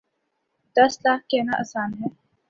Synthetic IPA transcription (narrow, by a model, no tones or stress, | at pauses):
d̪əslaːkkenaʔə̰saːnɦɛː